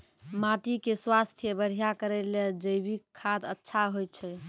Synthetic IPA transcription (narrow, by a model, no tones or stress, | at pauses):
maʈikeswast̪ʰjəbəɾ̤ijakəɾɛleld͡ʒəjbikʰːad̪ətːʃʰaɦojt͡ʃʰɛ